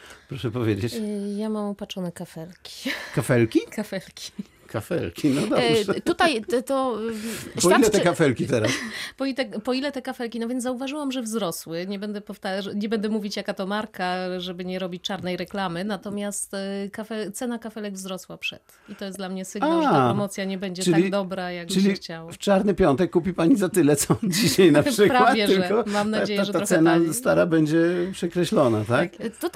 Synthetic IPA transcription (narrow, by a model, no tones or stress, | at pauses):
pɾɔʂɛpɔvʲjed͡ʑet͡ɕjamamɔpat͡ʂɔnɛkafɛlkʲi̥kafɛlkʲikafɛlkʲʰi̥ | kʰafɛlkʲinɔd̪ɔbt̪ut̪ajt̪ɔ | pɔilɛt̪ɛkafɛlkʲit̪ɛɾaspɔit̪ɛpɔilɛt̪ɛkafɛlkʲinavʲjɛnzzauvaʐɘwamʐɛvzɾɔswɘɲɛbɛnd̪ɛpɔft̪aʐɲɛbɛnd̪ɛmuvʲit͡ɕjakat̪ɔmaɾkaʐɛbɘɲɛɾɔbʲit͡ɕt͡ʂaɾnɛjɾɛklamɘnat̪ɔmʲjast̪kafɛt̪sɛnakafɛlɛɡvzɾɔswapʂɛt̪ | it̪ɔjɛsd̪lamɲɛsɘɡaalɛaɾɔmɔt̪sʲjaɲɛbɛɲd͡ʑɛtɘaliɡd̪ɔbɾajaɡ̚bɨlʲixt͡ɕawaft͡ʂaɾnɘpʲjɔnt̪ɛkːupʲipaɲizat̪ɘlɛt̪sɔd͡ʑiɕajnapʂʂɘkpɾawavtvʲjɛʐkɔmamnad͡ʑejɛaʐɛaɾɔsɛnast̪aɾabɛɲd͡ʑɛpʂɛkɾɛɕlɔna̰t̪akt̪ɔ